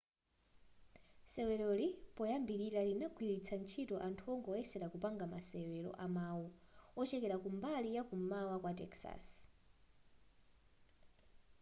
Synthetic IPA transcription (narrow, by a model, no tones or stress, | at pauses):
sɛwɛlɔlipɔjambiɾiɾalinaɡwiɾit͡sʰant͡ʃʰitɔʔantʰuɔŋɡɔɛsɛɾakupaŋɡamasɛwɛlɔ̰ʔamawuɔt͡ʃɛkɛɾakumbalijakumawakwatɛ̰ksa̰s